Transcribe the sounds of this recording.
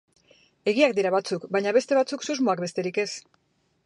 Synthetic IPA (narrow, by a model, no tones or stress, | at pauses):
e̞ɣiakd̪iɾaβat͡sukbaɲaβ̞e̞st̪e̞βat͡suksuzmoak̚be̞st̪e̞ɾike̞s